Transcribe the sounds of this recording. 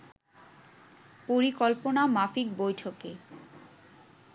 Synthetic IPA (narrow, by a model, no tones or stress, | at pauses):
poɾikɔlponamafik̚bojʈʰoke